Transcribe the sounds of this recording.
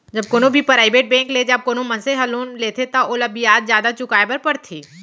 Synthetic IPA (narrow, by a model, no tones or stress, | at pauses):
d͡ʒɐb̚koːnõbʱipɾaːɪbeːʈ̚bɛ̃ːŋkled͡ʒaːb̚koːnomɐnseɦɐloːnleːt̪ʰet̪ɐʔoləbijaːt̪zjaːd̪at͡ʃʊkaːepɐɾpɐɽt̪ʰiː